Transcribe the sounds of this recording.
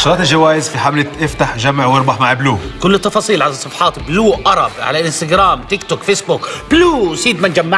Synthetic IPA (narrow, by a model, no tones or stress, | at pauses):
ʃʊɾˤɑːt̪ɪld͡ʒawaːjɪzfiħamlɪt̪ʔɪft̪aħʒamːɪʕwɪɾˤbɑħmaʕɪbluːʔkʊlːɪt̪ːɑfɑːsˤiːlʕalɑsˤɑfħɑːt̪bluːʔʔɑɾˤɑbʕa̰laʔɪnst̪aɡɾaːmt̪ɪkt̪ʊkfeːsbʊkb̥luːsiːd̪mand͡ʒamːa